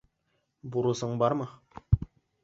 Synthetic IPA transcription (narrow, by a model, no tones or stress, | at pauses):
buɾusɤɴbɑɾmɤ